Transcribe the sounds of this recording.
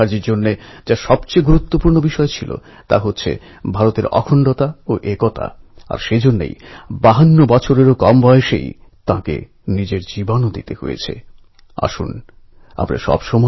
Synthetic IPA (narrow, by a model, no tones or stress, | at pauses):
aɾd͡ʑiɾd͡ʑonːed͡ʑaʃɔbt͡ɕeɡuɾut̪ːopuɾnobiʃɔet͡ɕʰilo̰ | t̪a̰ɦotːɕʰḛ | bʱaɾot̪eɾɔ̰kʰoɳɖot̪aoʔekot̪a̰a̰ɾʃed͡ʑonːḛjbaɦanːobɔt͡ɕʰoɾeɾokɔmbʱɔeʃḛjt̪ãkḛ | nid͡ʑeɾd͡ʑibonod̪ḭt̪eho̰jḛt͡ɕʰḛ | a̰ʃṵn | a̰pɾa̰ʃɔ̰bʃɔmɔ